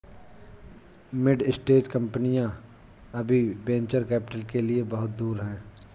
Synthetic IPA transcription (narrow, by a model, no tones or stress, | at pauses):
mɪɖɪsʈeːʈkɐ̃mpənijã | ɐbʱibẽːɲt͡ʃəɾkɛːpɪʈəlkeliebɐɦʊt̪̚d̪uːɾɦɛ̃ː